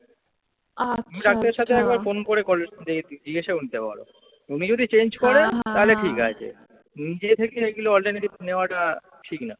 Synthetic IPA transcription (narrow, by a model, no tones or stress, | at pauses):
amiɾak̚t̪eɾʃat̪ʰeɛkbaɾfonkoɾekɔled̪ed͡ʑiɡeʃeunit̪epa̰ɾo̰ | unid͡ʑod̪ʱit͡ɕend͡ʑkɔɾet̪aɦoleʈʰika̰t͡ɕʰḛ | nid͡ʑet̪ʰekeeɡuloɔlʈaɾneʈibneoaʈa | ʈʰikna